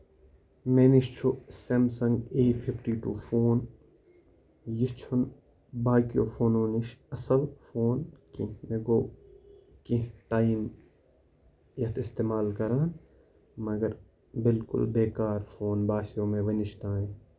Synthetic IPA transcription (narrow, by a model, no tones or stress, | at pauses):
menɪʃt͡ʃʰosemsɐ̃ŋɡeːpʰɪpʰʈiːʈṵːfʰoːn | jɪt͡ʃʰʊn | baːkijo̰ːpʰoːnoːnɪʃɐsəlfoːnkĩmeɡoː | kĩʈaːim | jɐt̪ʰɪst̪eːmaːlkɐɾaːn | mɐɡəɾ | bɪlkʊ̰lbeːkaːɾfʰoːnbaːsijõːmẽʋɐnɪʃt̪ãːẽː